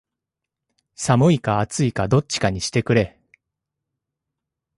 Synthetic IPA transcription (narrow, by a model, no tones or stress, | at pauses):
samɯ̟ikaːt͡sɨikad̪o̞tt͡ɕːi̥kaɲ̟iɕi̥t̪e̞kɯ̟ɾe̞